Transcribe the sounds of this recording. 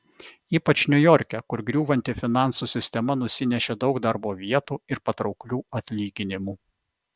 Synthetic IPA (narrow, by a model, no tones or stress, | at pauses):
iːpɐt͡ʃnʲʊjɔɾʲkʲɛkʊɾɡɾʲuːʋɐnʲt̪ʲɪfʲɪnɑˑnsuːsʲɪsʲt̪ʲɛmɐnʊsʲɪnʲɛʃʲeːd̪ɒʊkd̪ɐɾboːʋʲiɛt̪uːɪɾpɐt̪ɾɒʊklʲuːɐt̪ʲlʲiːɡʲɪnʲɪmuː